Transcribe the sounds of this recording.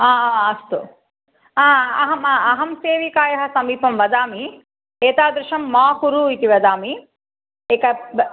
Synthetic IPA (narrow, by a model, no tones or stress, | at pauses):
aːaːɐst̪u | aːɐɦɐmaɐɦɐmseːʋikaːjɐɦɐ̆sɐmiːpɐmʋɐd̪aːmi | eːt̪aːd̪ɾɪʃɐmːaːhuɾuːit̪iʋɐd̪aːmi | eːkɐ